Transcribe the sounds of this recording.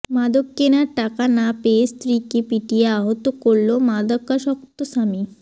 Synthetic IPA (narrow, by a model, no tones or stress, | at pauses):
mad̪okkːenaɾʈakanapeest̪ɾikepiʈieaɦot̪okoɾlomad̪akaʃɔkt̪osami